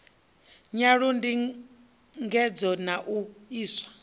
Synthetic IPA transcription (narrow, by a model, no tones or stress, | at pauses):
ɲaɺundi | ŋɡɛd͡zɔnaʔuiːsḁ